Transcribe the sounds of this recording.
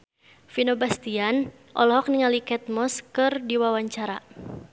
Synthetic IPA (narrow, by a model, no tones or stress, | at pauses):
finobast̪ian | ʔɔlɔɦɔk̚niŋalikɛt̪̚mɔskɨrdiwawaɲt͡ʃaɾa